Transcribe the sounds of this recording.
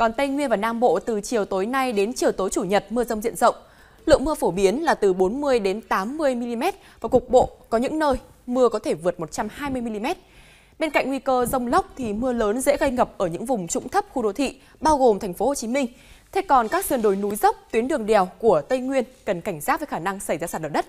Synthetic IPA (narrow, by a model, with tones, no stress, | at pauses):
kɔ˨˩nt̪ə˧jŋwi˧ənvaː˨˩naː˧mɓo̰˧˨t̪ɨ˨˩t͡ɕi˨˩əwt̪o˨˦jna˧jɗe˨˦nt͡ɕi˨˩əwt̪o˨˦jt͡ɕu˧˩ɲə˨˩t̚mɨ˧əzə˧wŋ͡mzḭ˧˨ənzə̰˧˨wŋ͡m | lɨ̰˧˨əŋmɨ˧əfo˧˩ɓi˨˦ənlaː˨˩t̪ɨ˨˩ɓo˨˦nmɨ˧əjɗe˨˦nt̪aː˨˦mːɨ˧əjmi˧li˧mɛ˦˥t̚vaː˨˩kʊ˨˩k̚ɓo̰˧˨kɔ˨˦ɲɨ̰˧˥ŋnəː˧j | mɨ˧əkɔ˨˦t̪ʰe˧˩vɨ˨˩ət̚mo˨˩t̚t͡ɕa˧mhaː˧jmɨ˧əjmi˧li˧mɛ˦˥t̚ | ɓe˧nka̰˧˨ŋŋwi˧kəː˧zə˧wŋ͡mlə˦˥wk͡p̚t̪ʰi˨˩mɨ˧ələː˨˦nzḛ˧˥ɣə˧jŋə˨˩p̚ʔəː˧˩ɲɨ̰˧˥ŋvʊ˨˩ŋ͡mt͡ɕʊ̰˧˥ŋ͡mt̪ʰə˦˥p̚xu˧ɗo˨˦t̪ʰḭ˧˨ | ɓaː˧wɣo˨˩mt̪ʰɛ˨˩ŋ̟fo˨˦ho˨˩t͡ɕi˨˦mï˧ŋ̟ | t̪ʰe˧kɔ˨˩nkaː˦˥k̚sɨ˨˩ənɗo˨˩jnu˨˦jzə˦˥wk͡p̚t̪wi˨˦nɗɨ˨˩əŋɗɛ˨˩wku˧˩ət̪ə˧jŋwi˧ənkə˨˩nka˧˩jŋ̟zaː˦˥və˨˦xaː˧˩na˧ŋsa˧˩jzaː˧saː˨˩ɗə̰ː˧˩ɗə˦˥t̚